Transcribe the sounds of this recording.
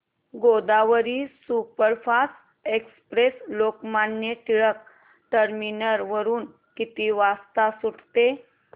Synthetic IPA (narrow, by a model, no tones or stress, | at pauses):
ɡod̪aʋəɾiːsupəɾfas | ekspɾeslokmanjət̪iɭək | ʈəɾminəɾʋəɾuːn | kit̪iːʋast̪asuʈt̪e